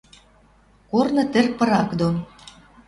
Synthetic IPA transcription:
kornɤ̆t̪ɘ̆rpə̆ɾɑkd̪on

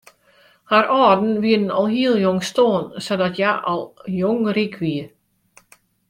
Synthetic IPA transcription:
haɾɔːdn̩ʋiədn̩ɔlˠhilˠjoŋstoːnsɔdatjaʔɔlˠjoŋrikʰʋi

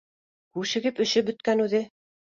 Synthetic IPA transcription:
kʉʃɘ̆ɡɘpɵ̆ʃɵp̚bɵ̆t̪kænʉðɘ

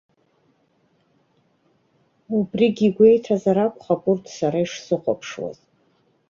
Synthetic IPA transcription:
ubriɡʲiɡʷe̞jtʰazaɾakʷχapʼʊrtʰʼsaɾaiʂsɨqʷʼa̰pʰʂwa̰z

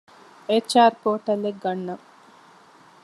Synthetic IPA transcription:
et͡ʃːaːɾpoːʈɐlːeɡɡɐnːɐ

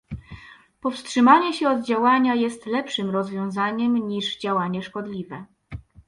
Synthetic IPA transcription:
pɔfstʂɘmaɲɛɕɛɔd̪̚d͡ʑawaɲajɛst̪lɛpʂɘmɾɔzvʲjɔ̃w̃zaɲɛmɲiʐd͡ʑawaɲɛʂkɔd̪lʲivɛ

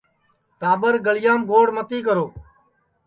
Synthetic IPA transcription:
ʈaːbəɾɡəlɪjaːmɡoːɽmət̪iːkəɾoː

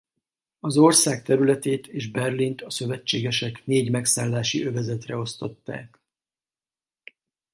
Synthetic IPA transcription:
ɒzo̞rsaːk̚t̪ɛɾylɛt̪eːt̪ʰeːʒbɛrlint̪ɒsø̞vɛt͡ʃːeːɡɛʃɛkneːɟmɛksaːlːaːʃiʔø̞vɛzɛt̪rɛo̞st̪o̞̰t̪ːa̰ːk

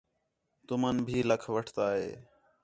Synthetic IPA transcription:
t̪ʊmənbʱiːləkʰʋəʈʰt̪aːɦeː

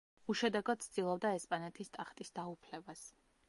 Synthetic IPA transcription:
uʃɛd̪ɛɡɔd̪̥̚sʰd̪ilˠɔb̚d̪aɛspʼanɛt̪ʰist̪ʼaχt̪ʼisd̪aupʰlɛbas

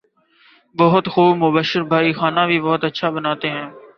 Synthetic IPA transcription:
bɔɦʊt̪xuːbmʊbəʃəɾbʱaːiːxaːnãːbʱiːbɔɦʊt̪ətːʃʰaːbənaːt̪eːɦɛ̃ː

